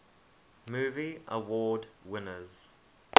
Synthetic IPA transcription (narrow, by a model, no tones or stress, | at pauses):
muːviʔə̰wɔːdwɪnəz̥